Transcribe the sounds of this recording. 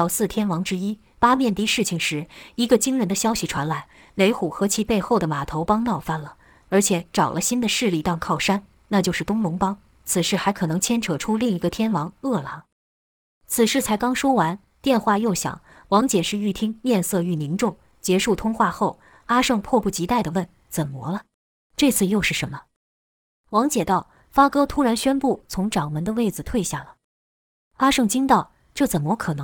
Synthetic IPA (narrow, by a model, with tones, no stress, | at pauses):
ɑ˧ʊsɹ̩˥˩t̪ʰjɛ˥nwɑ˧˥ŋʈ͡ʂɻ̩˥i˥ | pa˥mjɛ˥˩nt̪i˧˥ʂɻ̩˥˩t͡ɕʰi˨˩ŋʂɻ̩˧˥i˧˥ɡə˧t͡ɕi˥ŋɻə˧˥nd̪ə˧ɕjɑ˥ʊɕi˨˩ʈ͡ʂʰwa˧˥nla˧˥ɪ | le˧˥ɪxu˨˩xɤ˧˥t͡ɕʰi˧˥pe˥˧ɪxo˥˩ʊd̪ə˩ma˨˩t̪ʰo˧˥ʊpɑ˥ŋnɑ˥˩ʊfa˥˩nlə˩ | ə˞˧˥t͡ɕʰjɛ˧˥˦ʈ͡ʂɑ˨˩ʊlʔə˦ɕi˥nd̪ə˨ʂɻ̩˥˧li˥˧˩t̪ɑ˥˧ŋkʰɑ˥˩ʊʂa˥n | na˥˧˩t͡ɕjo˥˧ʊʂɻ̩˥˩t̪ʊ˥ŋlʊ˧˥ŋpɑ˥ŋ | t͡sʰɹ̩˨˩ʂɻ̩˥˩xa˧˥ɪkʰɤ˨˩nɤ˧˥ŋt͡ɕʰjɛ˥nʈ͡ʂʰɤ˨˩ʈ͡ʂʰu˥li˥˩ŋi˧˥ɡə˧t̪ʰjɛ˥nwɑ˧˥ŋɤ˥˩la˩˦ | t͡sʰɹ̩˨˩ʂɻ̩˥˩t͡sʰa˧˥ɪkɑ˥ŋʂwɔ˥wa˧˥n | t̪jɛ˥˧nxwa˥˧jo˥˩ʊɕjɑ̰˨˩˦ŋ | wɑ˧˥ŋt͡ɕjɛ˨˩ʂɻ̩˥˧y˥˩t̪ʰi˥ŋmjɛ˥˧nsɤ˥˧y˥˩ni˧˥nʈ͡ʂʊ˥˩ŋ | t͡ɕjɛ˧˥ʂu˥˩t̪ʰʊ˥ŋxwa˥˧xo˥˩ʊ | a˥ʂɤ˥˧ŋpʰwɔ˥˧pu˥˩t͡ɕi˧˥t̪a˥˩ɪd̪ə˩wə˥˩n | t͡sə˨˩nmwɔ̰˧˥lə˧ | ʈ͡ʂɤ˥˧t͡sʰɹ̩˥˧jo˥˧ʊʂɻ̩˥˩ʂə˧˥nmə˧ | wɑ˧˥ŋt͡ɕjɛ˨˩t̪ɑ˥˩ʊ | fa˥kɤ˥t̪ʰu˥ɻa˧˥nɕɥɛ˥npu˥˩t͡sʰʊ˧˥ŋʈ͡ʂɑ˨˩ŋmə˧˥nd̪ə˧we˥˩ɪd͡zɹ̩˩t̪ʰwe˥˧ɪɕja˥˩lə˩ | a˥ʂɤ˥˩ŋt͡ɕi˥ŋt̪ɑ˥˩ʊ | ʈ͡ʂɤ˥˩t͡sə˨˩nmwɔ˧˥kʰɤ˨˩nɤ˧˦ŋ